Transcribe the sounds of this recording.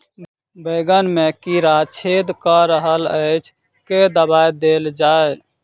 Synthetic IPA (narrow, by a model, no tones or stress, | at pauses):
beɡənmekiɾat͡ʃʰed̪kəɾəɦələɪt͡ʃʰ | ked̪əbajd̪eld͡ʒae